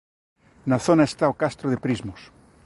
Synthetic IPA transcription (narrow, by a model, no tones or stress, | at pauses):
naθonaest̪aokast̪ɾoðepɾizmos